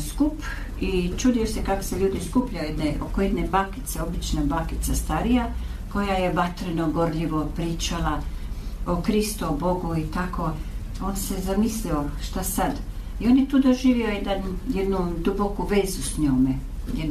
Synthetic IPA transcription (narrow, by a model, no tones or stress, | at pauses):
skup | it͡ʃuːd̪iosekako̥seʎuːd̪iskupʎaojed̪neʔo̰kojed̪nebaːki̥t̪seo̞bit͡ʃnabaːkit̪sast̪aɾija | ko̞jaje̞ʋat̪ɾeno̞ɡo̞ɾʎiʋo̞pɾiːt͡ʃala | okɾist̪uobo̞ɡuit̪akʰo̞ | oːnse̞zamislioʃt̪asad̪ | io̞ːnjet̪uːd̪oʒiːʋiojed̪anjed̪nud̪ubokuʋeːzusɲoːme | jed̪